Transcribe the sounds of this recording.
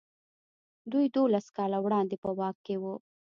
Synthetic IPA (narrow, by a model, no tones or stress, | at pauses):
d̪ujd̪olaskɑlawɽɑnd̪epəwɑkkːewu